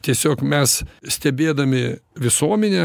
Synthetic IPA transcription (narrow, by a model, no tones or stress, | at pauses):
t̪ʲiɛsʲoːkmʲɛssʲt̪ʲɛbʲeːd̪ɐmʲɪʋʲɪsuɔmʲɛnʲe